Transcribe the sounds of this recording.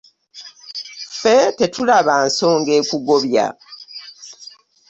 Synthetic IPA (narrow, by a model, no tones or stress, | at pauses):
fete̞tulaβanso̞ːŋɡe̞ːkuɡo̞βja̰